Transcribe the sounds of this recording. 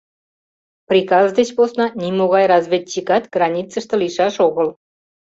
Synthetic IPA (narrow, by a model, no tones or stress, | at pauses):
prʲikɑzd̪et͡ɕposnɑnʲimoɣɑjrɑzβʲet̪̚ʲt͡ɕikɑt̪ɡrɑnʲit͡səʃt̪ə̆liʃɑʃoɣəl